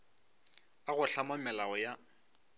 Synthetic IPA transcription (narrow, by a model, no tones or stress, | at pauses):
aɣʊɬamɔmɛlaɔja